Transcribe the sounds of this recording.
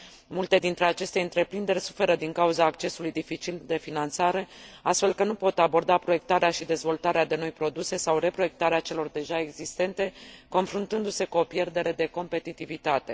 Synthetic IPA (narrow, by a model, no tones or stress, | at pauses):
mult̪e̞d̪int̪ɾe̞at͡ʃe̞st̪eɨnt̪ɾe̞pɾind̪erʲsu̥fe̞ɾəd̪iŋkauzaːkt͡ʃe̞sulujd̪ifit͡ʃild̪e̞finant̪saɾe̞ast̪fe̞lkənupo̞t̪abo̞rd̪apɾo̞je̞k̚t̪aɾeaʃid̪e̞zvo̞lt̪aɾead̪e̞no̞jpɾo̞d̪use̞sawre̞pɾo̞je̞k̚t̪aɾeat͡ʃe̞lo̞rd̪e̞ʒae̞ɡzist̪e̞nt̪e̞ko̞nfɾunt̪ɨnd̪use̞kuo̞pje̞rd̪e̞ɾe̞d̪e̞ko̞mpe̞t̪it̪ivit̪at̪e̞